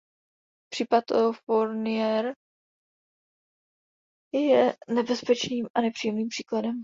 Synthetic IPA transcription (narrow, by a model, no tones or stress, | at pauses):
pr̝̥iːpat̪foɾnɪjɛɾ | jɛnɛbɛspɛt͡ʃniːmʔanɛpr̥iːjɛmniːmpr̝̥iːkladɛm